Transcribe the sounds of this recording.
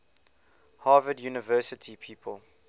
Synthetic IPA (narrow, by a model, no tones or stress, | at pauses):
haːvədjuːnɪvɜːsətʰipʰiːpʰə̰lˠ